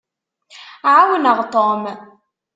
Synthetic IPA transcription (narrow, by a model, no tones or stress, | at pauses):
ʕawənəʁt̪ˤom